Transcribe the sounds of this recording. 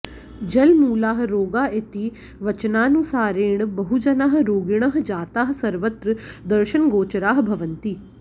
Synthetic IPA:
d͡ʒɐlmuːlaːɦ̆ɾoːɡaːet̪i | ʋɐt͡ʃnaːnũsaːɾeːɳ̃bɐɦud͡ʒɐnaːɦ̆ɾoːɡɪɽ̃ɐɦ̆d͡ʒaːt̪aːɦ̆sɐɾʋət̪ɾəd̪ɐɾʃənɡoːt͡ʃɾaːɦ̆bʱɐʋənt̪iː

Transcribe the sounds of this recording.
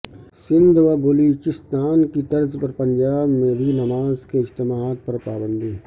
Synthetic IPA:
sɪ̃nd̪ʋabʊluːt͡ʃɪst̪aːnkit̪ɐɾzpɐɾpɐ̃ɲd͡ʒaːbmẽbʱinɐmaːzkeɪd͡ʒt̪ɪmaːt̪̚pɐɾpaːbə̃nd̪ʱiː

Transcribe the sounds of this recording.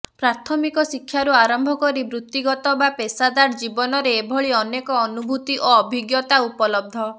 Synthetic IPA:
pɾat̪ʰɔmikɔsikʰːjaɾuaɾɔmbʱɔkɔɾibɾut̪ːiɡɔt̪ɔbapesad̪aɾd͡ʒibɔnɔɾeːbʱɔɭiɔnekɔːnubʱut̪iʔoɔbʱiɡjɔt̪aupɔlɔb̚d̪ʱɔ

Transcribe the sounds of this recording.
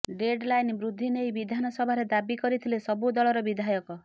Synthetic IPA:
ɖeɖlajnbɾud̪ʱːinejbid̪ʱanɔsɔbʱaɾed̪abikɔɾit̪ʰilesɔbud̪ɔɭɔɾɔbid̪ʱajɔkɔ

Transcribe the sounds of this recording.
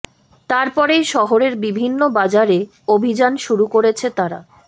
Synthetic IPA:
t̪aɾpɔɾejʃɔɦoɾeɾbibʱinːobad͡ʑaɾe | obʱid͡ʑanʃuɾukoɾet͡ɕʰet̪aɾa̰

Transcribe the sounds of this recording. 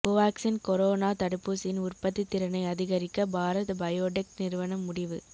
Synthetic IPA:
pʊʋaːksɪnkɔɾoːnaːt̪ɐɽɯpːusɪnʊrpɐt̪ːit̪ːɪɾɐnɐɪɐðɪɣɐɾɪkːɐbʱaːɾɐðɐbɐjoːʈɪk̚nɪɾɯʋɐnɐmːʊɽɪʋɯ̰

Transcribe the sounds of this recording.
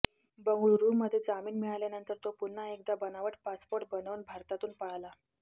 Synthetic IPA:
bəŋɡuɭɾummːəd̪ʱjed͡zamiːnmiɭaljanənt̪əɾt̪opunːaek̚d̪abənaʋəʈpaspoɾʈ̚bənəʋnbʱaɾt̪at̪uːnpəɭla

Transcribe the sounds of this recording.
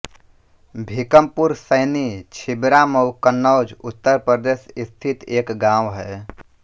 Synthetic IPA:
bʱikəmpuɾsəɪnit͡ʃʰɪbɾaməwkənːəːd͡ʒʊt̪ːəɾpɾəd̪eːsɪst̪ʰit̪eːkɡãːwɦɛː

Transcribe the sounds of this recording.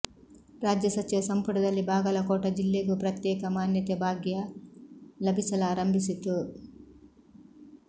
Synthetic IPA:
ɾaːd͡ʒjɐsɐt͡ʃiʋɐsɐmpuɽɐd̪ɐlːibʱaːɡɐlɐkɔːʈɐd͡ʒilːeːɡupɾɐt̪jɛːkɐmaːnjɐt̪ebʱaːɡjɐ | lɐbʱisɐlaːɾɐmbʱisit̪u

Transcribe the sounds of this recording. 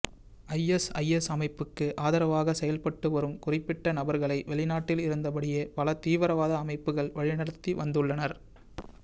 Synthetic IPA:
ɐjɛsɐ̰jɛsɐmɐɪpːɯkːɯʔaːðɐɾɐʋaːɣɐsɛjɐlpɐʈːɯʋɐɾɯmkʊrɪpːɪʈːɐnɐbɐɾɣɐɭɐɪʋɛɭɪnaːʈːɪlɪɾɯnd̪ɐp̬ɐɽɪjeːpɐɭɐt̪iːʋɐɾɐʋaːðɐːmɐɪpːɯɣɐɭʋɐɻɪnɐɽɐt̪ːiʋɐnd̪ɯɭːɐnɐɾ

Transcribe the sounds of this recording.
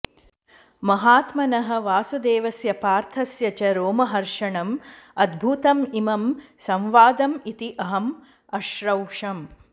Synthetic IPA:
mɐɦaːt̪mɐnɐɦɐ̆ʋaːsud̪eːʋɐsjɐpaːɾt̪ʰɐsjɐt͡ʃɐɾoːmɐɦɐɾʂɐɳɐmɐd̪bʱuːt̪ɐmimɐmsɐ̃mʋaːd̪ɐmit̪iʔɐɦɐm | ɐʃɾɐwʂɐm

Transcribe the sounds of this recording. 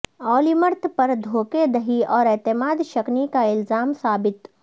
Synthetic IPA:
ɔːliməɾt̪ʰpɐɾd̪ʱoːked̪ɐɦiɔːɾeːt̪ɪmaːd̪ʃɐknikaɪlzaːmsaːbɪt̪

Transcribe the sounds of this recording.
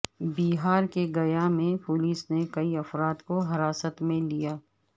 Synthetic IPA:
biːɦaːɾkeɡɐjamẽpoːliːsnekɐiɐfɾaːd̪koɦɐɾaːsət̪mẽlijaː

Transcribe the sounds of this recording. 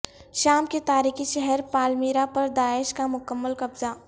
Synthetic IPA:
ʃaːmket̪aːɾiːxiʃɛɦɛɾpaːlmiːɾapɐɾd̪aːɪʃkamʊkəmːəlkɐbza

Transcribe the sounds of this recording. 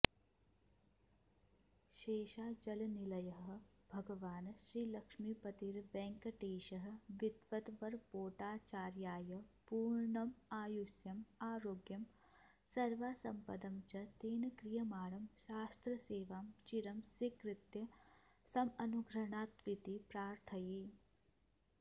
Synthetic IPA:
ʃeːʃaːd͡ʒɐlnilɐjɐɦɦ̆ | bʱɐɡɐʋaːnʃɾiːlɐkʂmipɐt̪iɾʋɛ̃ːŋkɐʈeːʃɐɦɐ̆ʋɪd̪ʋɐt̪ʋɐɾpoːʈaːt͡ʃaːɾjaːjɐpuːɾɳɐmaːjusjɐmaːɾoːɡjɐm | sɐɾʋaːsɐmpɐd̪ɐmt͡ʃɐt̪eːnɐkɾijɐmaːɾɐmʃaːst̪ɾɐseːʋaːmt͡ʃiɾɐmsʋikɾɪt̪jɐsɐmɐnuɡɾɐɳaːt̪ʋit̪ipɾaːɾt̪ʰɐi

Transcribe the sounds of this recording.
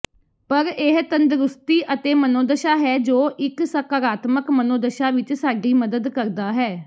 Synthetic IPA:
pəɾeɦt̪ənd̪ɾʊst̪iːʔət̪eːmənoːd̪əʃaːɦɛːd͡ʒoːʔɪksəkaːɾaːt̪məkmənoːd̪əʃaːʋɪt͡ʃsaːɡiːməd̪əd̪kəɾd̪aːɦɛː

